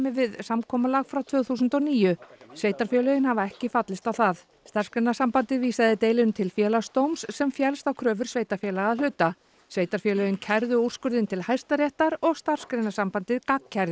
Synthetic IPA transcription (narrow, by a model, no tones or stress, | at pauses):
mɪvɪðsamkʰɔːmalaɣfɾawt̪ʰv̥œːɣθuːsʏnt̪ɔɣniːjʏsveːjt̪aɾfjɛlœjɪnhavaɛhcɪfat̪lɪst̪awθað | st̪ar̥skɾejnasampant̪ɪðviːsaðɪt̪eːjlɪnt̪ʰɪlfjɛːlast̪owmsːɛmfjɛlst̪awkʰɾœːvʏɾ̥sveːjt̪aɾfjɛlaɣaðlʏt̪a | sveːjt̪aɾfjɛlœjʏncʰɛɾðʏur̥skʏɾðɪnt̪ʰɪlhajst̪aɾjɛht̪aɾɔɣst̪ar̥skɾejnasampant̪ɪðkakcʰːaɾð